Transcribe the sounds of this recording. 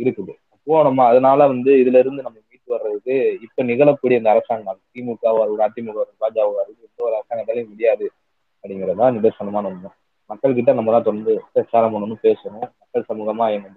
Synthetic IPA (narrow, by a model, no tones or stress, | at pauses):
ɪɾɯkːɯðɯ | ɐpːuʋɐɳɐmaːɐðɐnaːlɐʋɐnd̪ɯɪðɯlɐɪɾɯnd̪ɯnɐmːɐmiːʈːɯʋɐɾɾɐðɯkːɯɪpːonɪɣɐɭɐkːuːɽiɐɪnd̪ɐɾɐsaːŋɡɐt̪iːmukːaːʋaːɾɯaːt̪ːimʊɣɐʋɐɾɯpaːd͡ʒaːʋɯʋaːɾɯɪpːolɐɾɐsaːŋɡɐt̪ðaːlɐjmɪɽɪjaːðɯ | ɐpɽɪŋɡɪɾɐðãːnɪɽɐɾsɐɳɐmaːnɔnɐnʊ̃ | mɐkːɐɭk̬ɪʈ̬ːɐ̃nɐmːɐlãːt̪ɔɽɐnd̪ɯɐsaːnɐmɐɳɯnːɯ̃peːsɐɳʊ̃mɐkːɐɭsɐmuːɣɐmaːɛnɐ